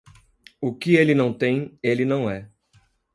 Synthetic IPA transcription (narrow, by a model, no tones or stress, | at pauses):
ʊkɪelɪnɐ̃w̃t̪ẽj̃elɪnɐ̃w̃ɛ